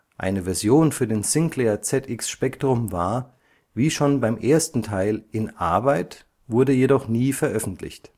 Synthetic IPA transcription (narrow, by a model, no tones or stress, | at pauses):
ʔa̰ɪnəvɛɐzjoːnfyːɐdeːnsɪŋklɛɐt͡sɛtʔɪksʃpɛktʁ̥ʊmva̰ːɐ | viːʃoːnbaɪmʔeːɐstn̩tʰaɪlʔɪnʔa̰ɐbaɪt | v̥ʊɐdəjedɔχniːfɛɐʔœfn̩tʰlɪ̰çt